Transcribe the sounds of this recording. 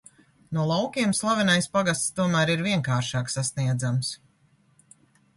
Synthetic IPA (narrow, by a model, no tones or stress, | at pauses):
nuɔlˠawkʲiɛmslˠavʲɛnajspaɡast̪st̪uɔmæːɾiɾviɛŋkaːɾʃaɑːksasniɛd̪zams